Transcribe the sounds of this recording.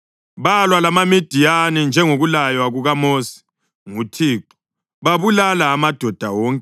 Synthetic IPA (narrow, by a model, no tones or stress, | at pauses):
βalwalamamid̥ʱijanind͡ʒʱɛŋoɣulajwaɣuɣamoːsi̥ | ŋutʰiːǃu̥ | βaβulalaːmad̥ʱɔd̥ʱawɔːŋkʼɛ